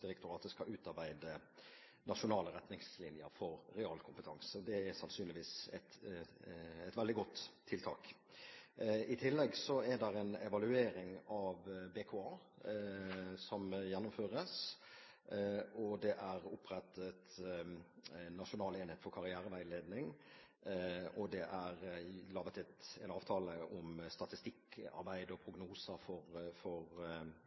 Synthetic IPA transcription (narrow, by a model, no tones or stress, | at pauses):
d̥̪ɪɾɛk̚t̪ʊɾɑːt̪d̪ɛskɑʉːt̪ɑɾbæɪd̪ə | nɑʂʊnɑːləɾɛt̪nɪŋslɪnjəɾfɔɾɾɛɑːlkʰʊmpət̪ʰɑŋsəd̪ɛæsɑnsyːnlɪʋiːsɛ̰t̪ | ɛt̪ʋɛld̪ɪɡɔt̪ʰːɪlt̪ʰɑ̰ːk | ɪt̪ʰɪlːɛɡsɔɛd̪ɛɾɛnɛʋɑlʉeːɾɪŋɑʋbekʰoːɑː | sɔmjɛnːʊmføːʁəs | ɔd̪ɛʔæɾʊpːɾɛt̪ʰːət̪ | nːɑʂʊnɑːleːnheːt̪fɔɾkʰɑɾɪæːɾəʋæɪleːd̪nɪŋ | ɔd̪ɛʔæɾlɑːʋət̪ʰɛt̪ɛnɑːʋt̪ʰɑːləʔɔmst̪ɑt̪ɪst̪ɪkːɑ̰ɾbæɪd̪əɔpʰɾʊɡnuːsəfɔɾfɔʁ